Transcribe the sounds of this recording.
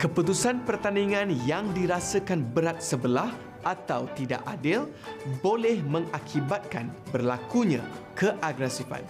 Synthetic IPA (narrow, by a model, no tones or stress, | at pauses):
kəput̪usanpərt̪aniŋãnjaŋdiɾasəkanbəɾat̪̚səbəlah | ʔat̪awt̪ida̰ʔadɪl | bolɛhmə̃ŋakʰibat̪̚kanbərlakuɲã̰kʰəʔaɡɾɛsifa̰n